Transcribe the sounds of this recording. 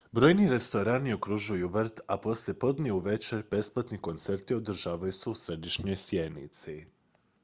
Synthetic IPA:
bɾo̞ːjniɾe̞st̪o̞ɾaːnio̞kɾuʒujuʋɾt̪apo̞slje̞po̞d̪nʲeuʋe̞t͡ʃeɾʲbe̞splˠat̪niko̞nt̪se̞ɾt̪io̞d̪r̩ʒaːʋajuseusɾe̞d̪iʃɲo̞jsje̞d̪nḭt̪si

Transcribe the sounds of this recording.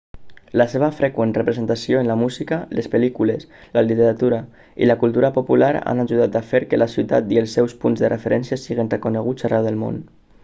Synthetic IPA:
ləseβ̞əfɾɛkwenrəpɾezent̪asioenlamuzikalespelikuleslalit̪eɾat̪uɾa | ḭləkulˠt̪uɾapopulaɾa̰naʒuð̞at̪afeɾkelasiwt̪at̪ielˠsːɛwspunzðərʔefeɾʔɛnsjasiɣenrekuneɣ̞ut͡szarɛwðelˠmo̰n

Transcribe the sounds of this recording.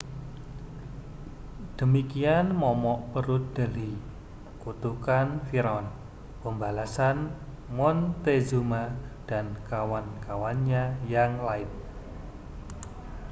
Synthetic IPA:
d̪̥əmikianmɔmɔʔpəɾud̪̥əli | kut̪ukanfiɾɔn | pəmbalasan | mɔnt̪ezumad̥ankawankawanɲajaŋlaɪt̪̚

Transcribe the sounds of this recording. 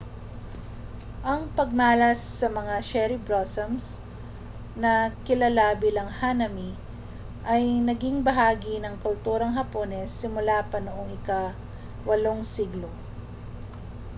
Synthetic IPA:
ʔɐŋpɐɡ̚maːlɐsːɐmɐŋaʃɛɾibɾosɐms | nɐkɪlɐlabilɐŋhanɐmi | ʔɐjnɐɡiŋbɐɦaːɡinɐŋkʊlt̪uːɾɐŋɦɐpoːnɛsːɪmʊlapɐnʊʔoŋɪka | wɐloŋsiɡlo

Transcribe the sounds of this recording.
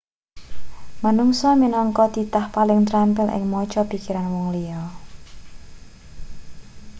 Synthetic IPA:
manuŋsɔminɔŋkɔd̪̥i̤t̪ahpalɪŋt̪ɾampɪlʔɪ̰ŋmɔd̥ʒ̥ɔpikiɾanwɔŋliɔ

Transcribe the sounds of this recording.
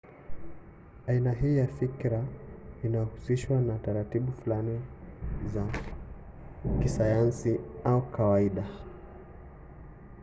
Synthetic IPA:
ainaɦiːjafikɾainahusiʃwanataɾatiɓufulaniza | kisajansiaukʰawaiɗa

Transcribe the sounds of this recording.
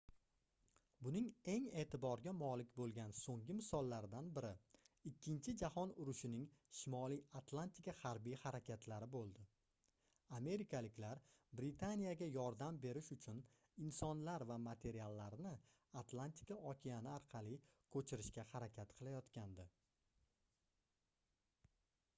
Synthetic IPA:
bʊnɪŋe̞ŋe̞ːt̪ʰɪbɒɾɡʲamɒlɪkʲbolˠɡʲansoŋɡʲɪmɪsɒlˠːaɾd̪anbɪɾɪɪkʲːɪnt͡ʃʰɪd͡ʒahɒnʊɾʊʃɪnɪŋʃɪmɒlijat̪ʰlˠant̪ɪkahaɾbijhaɾakʲat̪ʰlaɾɪbolˠd̪ɪ | ame̞ɾɪkʰalɪkʲlaɾbɾɪt̪ʰanijaɡʲajɒɾd̪ambe̞ɾɪʃʊt͡ʃʰʊn | ɪnsɒnlaɾvamat̪ʰe̞ɾialˠːaɾnɪ | at̪lˠant̪ʰɪ̥kaɒkʲʰijanɪaɾqʰɑlˠikʰɵt͡ʃʰɪɾɪʃkʲahaɾakʲʰat̪qʰɨlˠajɒt̪kʲand̪ɪ

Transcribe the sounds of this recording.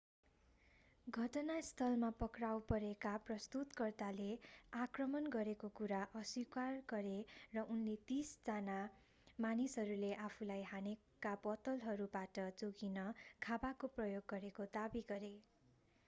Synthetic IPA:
ɡʱʌʈʌnast̪ʰʌlmapʌkrawpʌɾekaprʌst̪ut̪kʌrt̪aleakrʌmʌnɡʌɾekokuɾaʔʌswikarɡʌɾerʌʔunlet̪isd͡zana | manisɦʌɾuleʔapʰulajɦane | kːabʌt̪ʌlɦʌɾubaʈʌd͡zoɡinʌkʰabakoprʌjoɡːʌɾekod̪abiɡʌɾe

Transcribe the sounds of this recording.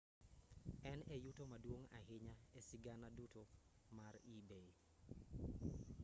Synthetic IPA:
ɛnejutomadwoŋa̰hɪɲaesɪɡanaduto | maɾibe

